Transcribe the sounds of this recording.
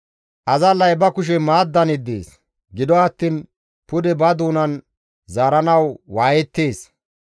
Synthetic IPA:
ʔɐzɐlːɐjbɐkʊʃ̬ɛmaːd̪ːɐnɪd̪ḛːs | ɡɪd̪ɔɐt̪ːiːn | pʊd̪ɛbɐd̪uːnɐn | zaːɾɐnɐwwaːjɛt̪ːe̞ːs

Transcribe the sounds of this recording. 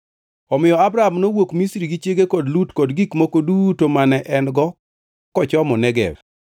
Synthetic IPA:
ɔmɪjɔabɾaamnowokmisɾiɡit͡ʃeɡekɔdlutkɔdɡikmokodutomanɛʔɛnɡɔ | kɔt͡ʃɔmɔnɛɡɛ̰v

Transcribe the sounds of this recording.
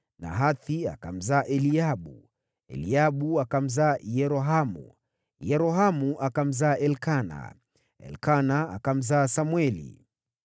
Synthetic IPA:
na̰ɦaθia̰ka̰m̩zaːʔɛliaɓu | ɛ̰liaɓuakam̩zaːjɛɾɔɦamṵ | jɛɾɔɦamuʔakam̩zaːʔɛlkana̰ | ɛ̰lkanaa̰kam̩zaːsamwɛlḭ

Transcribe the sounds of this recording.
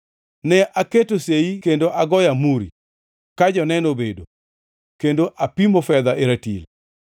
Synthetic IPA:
nɛʔaketoseikendoʔaɡɔjamuɾḭ | kad͡ʒɔnɛnobedo | kendoʔapimofɛd̪aeɾatḭl

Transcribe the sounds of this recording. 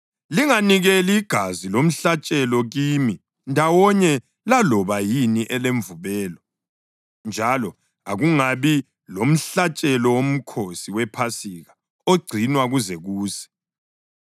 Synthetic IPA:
liŋaniɣɛliːɡ̥ʱazilom̩ɬat͡ʃʼɛlɔɣiːmi | ndʱawɔɲɛ | lalɔβajiniʔɛleɱvuβɛːlɔ | nd͡ʒʱalɔ | aɣuŋaβi | lom̩ɬat͡ʃʼɛlɔwom̩kʰosiwɛpʰasiɣa | oɡ͡ǀʱinwaɣuzɛɣuːsɛ̥

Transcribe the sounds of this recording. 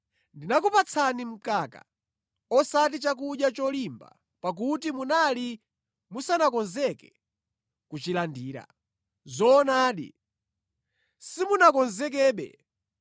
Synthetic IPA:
ndinakupat͡sʰanim̩kaːka̰ | ɔsat̬it͡ʃak̬uɗjat͡ʃɔlimba̰ | pak̬utimunali | musanakɔnzɛkɛ̥ | kut͡ʃilandiːɾa̰ | zɔːnaːɗḭ | simunakɔnzɛk̬ɛːɓɛ̰

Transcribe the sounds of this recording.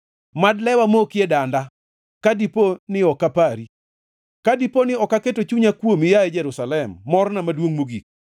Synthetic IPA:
madlɛwamokjedanda | kadiponɪɔkapaɾi | kadiponɪɔkaketot͡ʃuɲakwomɪjaɛd͡ʒɛɾusalɛmːɔɾnamadwoŋmoɡik̚

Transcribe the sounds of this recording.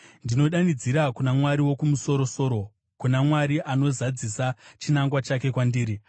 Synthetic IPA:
ndino̞ɗanid͡ziɾakunamwaɾiwo̞kumuso̞ɾo̞so̞ːɾo̞ | kunamwaɾiʔano̞zad͡zisat͡ʃinaŋɡwat͡ʃake̞kwandiːɾi

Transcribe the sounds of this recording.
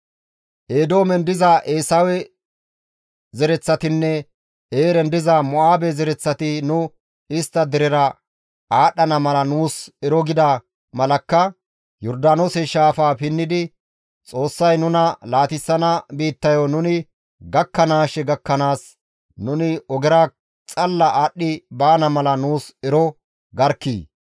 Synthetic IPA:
ʔeːd̪o̞ːmɛnd̪ɪzaʔeːsɐwɛ | zɛɾɛt͡sːɐt̪ɪnːɛ | eːɾɛnd̪ɪzamɔʔaːbɛzɛɾɛt͡sːɐt̪ɪnʊ | ɪst̪ːɐd̪ɛɾɛɾɐ | aːɗɐnɐmɐlɐnuːsɛɾɔɡɪd̪ɐ | mɐlɐkːɐ | jɔɾd̪aːnosɛʃaːfaːpɪnːɪd̪ɪ | t͡sʼo̞ːsːɐjnʊnɐlaːt̪ɪsːɐnɐbiːt̪ːɐjonʊnɪ | ɡɐkːɐnaːʃɛɡɐkːɐnaːs | nʊnɪɔɡɛɾa | t͡sʼɐlːɐʔaɗːɪbaːnɐmɐlɐnuːsɛɾɔ | ɡɐɾkːḭː

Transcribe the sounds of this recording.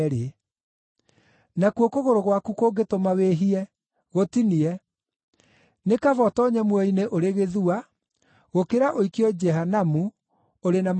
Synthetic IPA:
ɾe | nakwokoɣoɾoɣwakukoːɡetomaweɦiɛ | ɣotiniɛ | nekavɔtɔɲɛmwɛineʔoɾeɣeðua | ɣokeɾaʔoikiɔd͡ʒɛɦanamu | oɾenam

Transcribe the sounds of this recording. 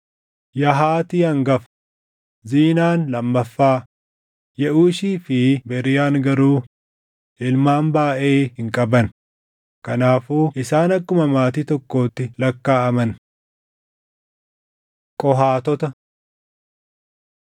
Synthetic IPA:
jɐɦaːt̪iːɐŋɡɐf | ziːnaːnlɐmːɐfːaː | jɛʔuːʃiːfɪbɛɾɪjaːŋɡɐɾuː | ʔɪlmaːnbaːʔe̞ːhɪŋkʼɐbɐn | kɐnaːfuːʔɪsaːnɐkːʊmɐmaːt̪iːt̪ɔkːo̞ːt̪ːɪlɐkːaːɐmɐn | kʼɔɦaːt̪ɔt̪ɐ

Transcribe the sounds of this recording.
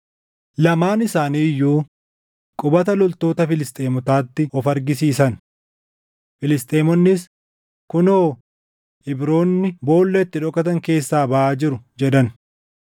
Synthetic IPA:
lɐmaːnɪsaːniːjːuː | kʼʊbɐt̪ɐlɔlt̪o̞ːt̪ɐfɪlɪst̪ʼe̞ːmʊt̪aːt̪ːɪʔɔfɐɾɡɪsiːsɐn | fɪlɪst̪ʼeːmɔnːɪs | kʊnoː | ʔɪbɾo̞ːnːɪbo̞ːlːɛɪt̪ːɪᶑɔkːɐt̪ɐŋke̞ːsːaːbɐʔaːd͡ʒɪɾʊd͡ʒɛd̪ɐn

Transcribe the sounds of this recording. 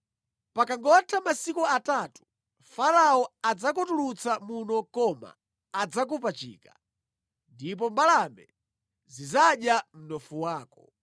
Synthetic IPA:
pakaŋɡɔtʰamasikuatatu̥ | faɾaɔad͡zakɔtulut͡samunɔkɔma̰ː | d͡zak̬upat͡ʃḭːka | ndip̬ɔmbalamɛ̰ | zizaɗjam̩nɔfuwaːkɔ

